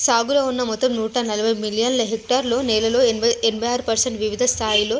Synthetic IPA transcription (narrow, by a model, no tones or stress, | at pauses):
saːɡulɐunːɐmɔt̪ːɐmnuːʈɐnɐlɐbʱɐjmiljɐnlɐɦek̚ʈaːɾlo̞ːnɛːlɐlo̞ːenbʱɐjaːɾupɐɾseɳʈʋiʋid̪ʱɐst̪ʰaːjilo̞ː